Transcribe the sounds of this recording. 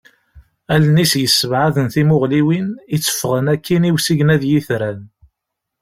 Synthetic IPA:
ælnisjəsːəvʕaðənθimʊʁliwinit͡sːə̥fʁənækːiniwsiʝənæðjiθɾæn

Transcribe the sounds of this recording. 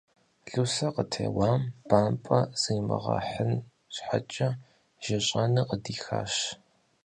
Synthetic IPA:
ɮusɐqətʰḛːwaːmb̥aːmpʼɐz̥ɨjmɨʁɐ̰ħən | ɕħa̰t͡ʃʼɐ | ʒ̥ɪɕʼɐnɨqədiːxa̰ːɕ

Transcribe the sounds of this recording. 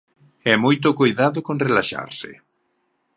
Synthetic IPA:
ɛmojt̪ʊkojðaðʊkonrelaʃa̰ɾsɪ̰

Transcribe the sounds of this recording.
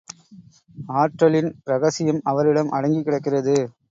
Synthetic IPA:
aːʈɾɐɭɪnɾɐɣɐsɪjɐmɐʋɐɾɪɽɐmʔɐɽɐŋɡikːɪɽɐkːɪrɐðɯ

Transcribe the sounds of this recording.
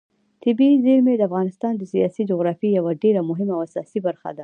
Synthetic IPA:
t̪ɪbizeɾmed̪əafɣɑnɪst̪ɑnd̪əsijɑsid͡ʒoɣɾɑfijawaɖeɾamʊɦɪmawasɑsibaɾxa̰d̪a

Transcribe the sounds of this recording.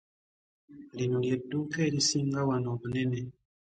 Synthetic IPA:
linuljetukelisiŋɡawanoβanɛne

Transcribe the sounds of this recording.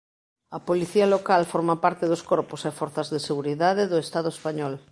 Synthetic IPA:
ɐpoliθiɐlokalfɔɾmapaɾt̪eðoskɔɾposefɔɾθɐzðeseɣuɾiðaðeðoest̪að̞oespaɲɔl

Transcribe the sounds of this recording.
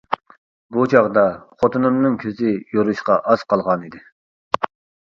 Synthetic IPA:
but͡ʃʰɑʁd̪ɑχot̪ʰɨnɨmnɨŋkʲʰøzɪjoɾuʃqɑʔɑz̥qɑlˠʁɑnid̪ɪ

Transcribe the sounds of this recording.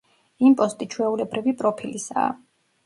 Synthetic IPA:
impʼɔst̪ʼit͡ʃʰwɛulɛbɾʔivipʼɾɔpʰilisa̰ː

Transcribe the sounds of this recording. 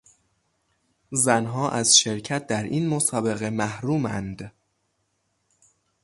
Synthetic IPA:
zænɦɒːʔæzʃe̞ɾcʰæt̪̚d̪æɾʔiːnmosɒːbe̞ɣe̞mæhɾuːmænd̪

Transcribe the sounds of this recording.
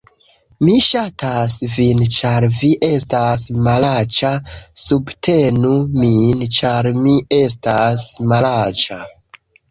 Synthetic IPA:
miʃatʰasvint͡ʃaɾviʔe̞stasmalat͡ʃasubtʰe̞numint͡ʃaɾmie̞s̬tasmalat͡ʃa

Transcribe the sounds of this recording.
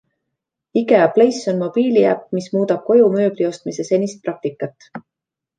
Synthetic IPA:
iɡe̞ɑple̞jso̞nmo̞b̥iːliæ̰pːmismuːd̪ɑb̥̚ko̞jumø̞ːblio̞st̪mise̞se̞nʲist̪̚prɑk̚t̪ikːˑɑt̪ːˑ

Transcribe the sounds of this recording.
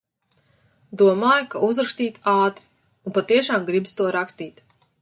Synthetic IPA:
d̪uɔmaːjkaʔuzɾakst̪iːt̪aːt̪ɾi̥ | unpat̪iɛʃaːmɡɾibst̪uɔɾakst̪iːt̪

